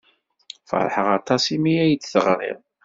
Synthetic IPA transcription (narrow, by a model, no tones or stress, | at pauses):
fə̰ɾˤħəʁɑt̪ˤɑsimiæjd̪θəʁɾˤḭʁ